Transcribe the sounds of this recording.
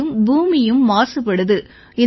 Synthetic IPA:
ɯmbuːmɪjɯmːaːsɯpːɐɽɯðɯ | ɪ

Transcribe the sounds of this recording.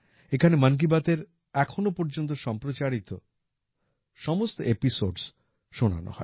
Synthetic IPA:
ekʰanemank̬ibat̪eɾ | ɛkʰonopɔɾd͡ʑont̪̬oʃɔmpɾot͡ɕaɽit̪o | ʃɔmost̪oepisoɖs | ʃona̰no̰hɔe

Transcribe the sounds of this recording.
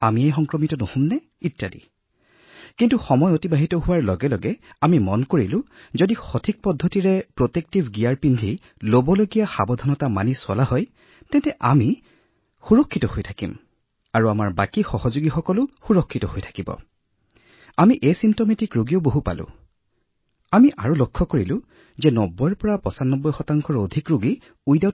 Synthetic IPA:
amiejxɔŋkɹɔmitɔnohumnɛ | itːadḭ | kintuxɔmɔjotibaɦitɔɦʊwaɹlɔɡɛlɔɡɛamimɔnkoɹilʊ̃ | zodixotʰik̚pɔdʱːɔtiɹɛpɹotek̚tibɡijaɹpindʱi | lobɔloɡijaxabɔdʱɔnɔtama̰niswa̰laɦɔj | tɛntɛʔami | xuɹɔkʰːitɔhojtʰakḭm | aɹuamaɹbakixɔhɔzoɡixɔkɔlʊxuɹɔkʰːitɔhojtʰḁkibɔ̰ | amiʔejsimtometikɹoɡijoʊboɦupa̰lʊ̰̃ | amiʔaɹulokʰːɔkoɹilʊ̃ | zɛnɔbːɔjɹpɔɹapɔsanɔbːɔjxɔtaŋkʰɔɹodʱikɹoɡi | ujda

